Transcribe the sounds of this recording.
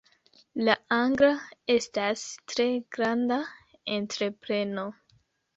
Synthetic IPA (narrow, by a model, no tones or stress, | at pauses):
laaŋɡɾae̞stastɾe̞ɡ̥ɾanda | entɾe̞pɾe̞no̞